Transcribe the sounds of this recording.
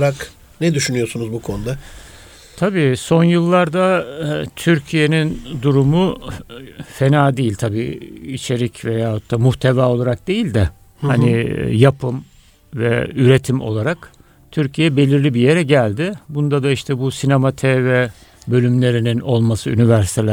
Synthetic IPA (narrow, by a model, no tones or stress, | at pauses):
ɾak | nɛd̪yʃynyjosunuzbukʰo̞nud̪a | t̪ʰabiːso̞njɯlˠːaɾd̪at̪ʰyɾcʰije̞nind̪uɾumu | fe̞naːd̪ejilʲt̪ʰabiːit͡ʃʰe̞ɾicve̞jaːhok̚t̪ʰːaːmuht̪ʰevaːo̞lˠaɾak̚d̪e̞jilʲd̪ɛ | hanijapʰɯm | vɛ̰yɾe̞t̪ʰimo̞̰lˠaɾak | t̪ʰyɾcʰijɛbe̞lʲiɾlʲibije̞ɾɛɟælʲd̪ɪbund̪ad̪aiʃt̪ʰɛbusinemat̪ʰɛvɛ | bø̞lʲymlʲe̞ɾinino̞lˠmasɯynivæɾsi̥t̪ʰelʲ